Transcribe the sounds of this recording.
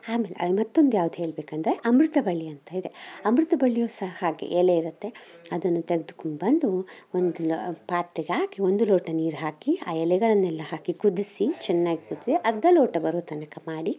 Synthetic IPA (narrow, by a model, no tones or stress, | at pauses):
aːmeːlḛɐ̰mɐt̪ːo̞nd̪ujaːʋud̪uɦe̞ːɭbeːkɐnd̪ɐɾe̞ʔɐmɾut̪ɐbɐɭːiɐnt̪aid̪e̞ɐmɾut̪ɐbɐɭːijoːsɐɦɐhaːɡḛʔɛleiɾut̪ːe̞ɐd̪ɐnːut̪eɡed̪ukuɳbɐnd̪uond̪ulpaːt̪ːiɡehaːkio̞nd̪uloːʈɐniːɾɦaːkiaːɛlɛɡɐɭɐnːɛlːɐɦaːkikud̪isit͡ʃɛnːaːɡikud̪isiʔɐɾd̪ʱɐloːʈɐbɐɾoːt̪ɐnɐkɐmaːɽi